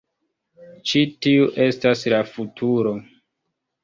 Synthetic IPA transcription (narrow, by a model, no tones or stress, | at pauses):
t͡ʃitiuʔe̞staslafutʰuɾo̞